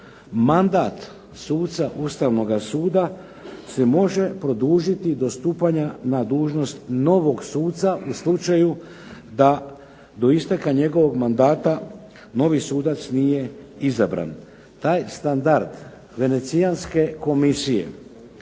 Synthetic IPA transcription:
mand̪aːt̪ | suːt̪t̪saʔust̪aʋno̞ɡasuːd̪a | semo̞ʒe̞pɾo̞d̪uːʒit̪id̪o̞st̪uːpaɲanad̪uːʒno̞st̪no̞ʋo̞ɡsuːt̪t̪saʔuslut͡ʃaju | d̪a | d̪o̞ist̪akaɲe̞ɡo̞ʋo̞ɡmand̪aːt̪a | no̞ʋisuːd̪at̪snije̞izabɾa̰n | t̪aːjst̪and̪aɾd̪ | ʋe̞ne̞t̪sijanske̞ko̞misije̞̰

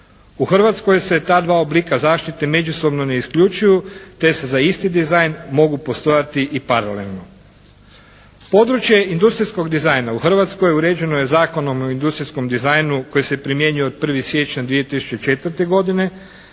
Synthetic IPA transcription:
uxr̩ʋat̪sko̞jse̞t̪aːd̪ʋaːoblikazaːʃt̪it̪e̞me̞d͡ʒuso̞bno̞ne̞iskʎut͡ʃujut̪e̞sezaist̪id̪izajnmo̞ɡupo̞st̪o̞jat̪iʔipaɾale̞lˠno̞ | po̞d̪ɾut͡ʃje̞ind̪ust̪ɾisko̞ɡd̪izajnauxr̩ʋat̪skojeuɾe̞ːd͡ʒe̞nojezaːko̞no̞moind̪ust̪ɾisko̞md̪izajnuko̞jise̞pɾimje̞ɲujood̪̚pr̩ʋisʋje̞t͡ʃɲad̪ʋie̞t̪isu̥t͡ʃet͡ʃe̞t̪ʋr̩t̪e̞ɡo̞d̪ine̞

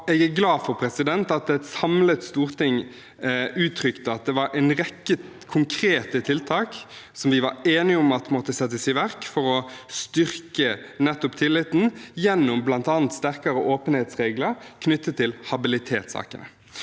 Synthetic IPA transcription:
ɛːɡæɡlɑːd̪fɔɾpʰɾɛsɪd̪ɛnt̪ɑt̪ɛt̪sɑmlət̪st̪uːɾt̪ʰɪŋ | ʉːt̪ʰɾʏkt̪əɑt̪̚d̪ɛʋɑɾɛnʁɛkːə | kʰʊŋkʰɾeːt̪ət̪ʰɪlt̪ʰɑːksɔmʋɪʋɑɾeːnɪəʊmɑt̪mɔt̪ːəsɛt̪ːəsɪʋæɾkfɔɾɔst̪ʏʁkənɛt̪ːɔpt̪ʰɪlːɪt̪ːn̩jɛnːʊmblɑnt̪ɑːnt̪st̪æʁkɑɾəʔoːpənheːt̪sʁeːɡləɾkʰnʏt̪ːət̪ʰːɪlhɑbɪlɪt̪ʰeːt̪sɑ̰ːkənə̰

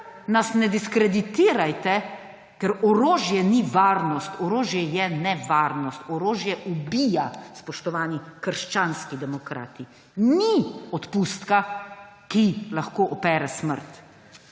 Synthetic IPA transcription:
nasnɛd̪iskɾɛd̪it̪iːɾajt̪ɛ | kɛɾɔɾoːʒjɛniʋaːɾnɔst̪ɔɾoːʒjɛjɛnɛʋaːɾnɔst̪ɔɾoːʒjɛʔubijaspɔʃt̪ɔʋaːnikəɾʃt͡ʃaːnskid̪ɛmɔkɾa̰ːt̪i | niɔt̪pust̪ka | kilaxkoːʔɔpɛːɾɛsmə̰ɾt̪

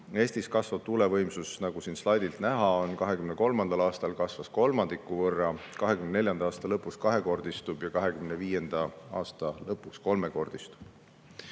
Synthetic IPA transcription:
e̞ːst̪iskɑsvɑb̥̚t̪ulevɤjmsusnɑɡ̥usinslɑjd̪̥ilt̪næɦɑo̞nkɑɦe̞kymneko̞lmɑnd̪̥ɑlɑːst̪ɑlkɑsvɑsko̞lmɑnd̪̥ikːˑuvɤrːɑkɑɦekymnneljɑnd̪̥ɑɑːst̪ɑlɤpːˑuskɑɦe̞ko̞rd̪ist̪ub̥jɑkɑɦe̞kymneviːje̞nd̪̥ɑɑ̰ːst̪ɑlɤpːˑuksko̞lme̞ko̞rd̪̥ist̪u̥b̥

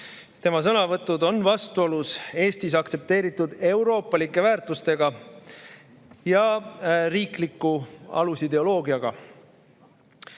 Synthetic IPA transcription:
t̪e̞mɑs̬ɤnɑvɤt̪ːˑud̪o̞nvɑst̪uo̞luse̞ːst̪is̬ɑkt̪se̞p̚t̪e̞ːɾit̪ːˑud̪e̞wɾo̞ːpːˑɑlikːˑe̞væːɾt̪ˑust̪e̞ɡɑ | jɑriːklikːuɑ̰lusid̪e̞o̞lo̞ːɡiɑɡ̥ɑ̰

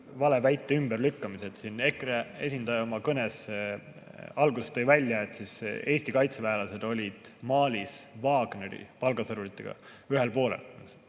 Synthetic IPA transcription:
vɑle̞væjt̪ːˑeymb̥erlykːɑmiset̪sinːe̞kree̞̰sʲind̪ɑjɑo̞mɑkɤnese | ɑlɡusest̪ɤjvælʲːjɑet̪ːˑsise̞ːsʲt̪ikɑjt̪sevæelɑse̞d̪̥o̞lʲid̪̥mɑːlʲisvɑːɡ̥ne̞ɾḭpɑlɡɑsɤɾulit̪ːˑeɡ̥ɑ̰ | yɦe̞lpo̞ːle̞̰ls

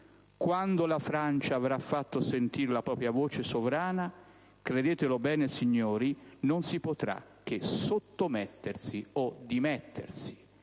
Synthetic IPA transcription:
kwand̪olafɾant͡ʃaːvɾafːat̪ːosent̪iːɾelapɾɔːpɾjavoːt͡ʃesovɾaːna | kɾed̪eːt̪elobɛːnesiɲːoːɾinonsipot̪ɾa̰k̟ːesot̪ːomɛt̪ːersiod̪imɛt̪ːḛrsi̥

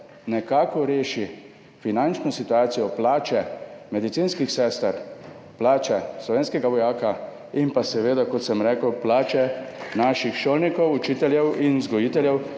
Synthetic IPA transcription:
nɛkaːkɔɾeːʃi | finant͡ʃnɔsit̪uaːt̪sijɔplaːt͡ʃɛmɛd̪it̪siːnskixsɛːst̪əɾ | plaːt͡ʃɛslɔʋeːnskɛɡaʋɔjaːka | impasɛʋeːd̪akɔt̪sɛmɾɛːkəwplaːt͡ʃɛnaːʃixʃoːlnikɔwut͡ʃiːt̪ɛljɛwinzɡɔjiːt̪ɛljɛw

